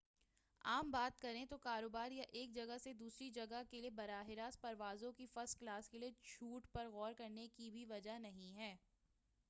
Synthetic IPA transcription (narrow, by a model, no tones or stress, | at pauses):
aːmbaːt̪kɐɾẽt̪okaːɾoːbaːɾjaʔeːk̚d͡ʒɐɡəsed̪uːsɾid͡ʒɐɡəkeliebɐɾaːɦɪɾaːspɐɾʋaːzõkifɐsklaːskeliet͡ʃʰuːʈpɐɾɣɔːɾkɐɾnekibʱiʋɐd͡ʒanɐɦĩɦɛː